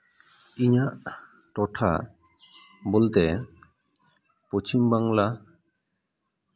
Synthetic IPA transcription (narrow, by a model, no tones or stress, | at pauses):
iɲaʔ | ʈɔʈʰa̰ | bolt̪e | pot͡ʃimbaŋla